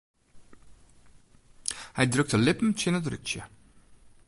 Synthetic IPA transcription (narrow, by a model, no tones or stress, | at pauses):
həjdrɵk̚təlɪpm̩tʰɪnədrʏ̰kt͡ʃə̰